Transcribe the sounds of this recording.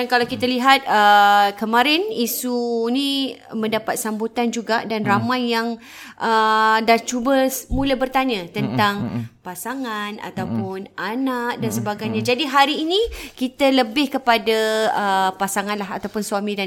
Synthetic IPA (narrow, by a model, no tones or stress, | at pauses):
ankalawkit̪aliɦat̪̚əkəmãɾɪnisunĩmə̃ndapat̪̚sambut̪and͡ʒuɡadanramajːaŋ | ʔədaht͡ʃubəmũlabərt̪aɲə̃t̪ənt̪aŋpasaŋana̰t̪awpʊnʔanak̚dansəbaɡajɲad͡ʒadiɦaɾiːnĩkit̪ələbɪhkəpadaəpasaŋãnlaɦat̪awpʊnsuamĩda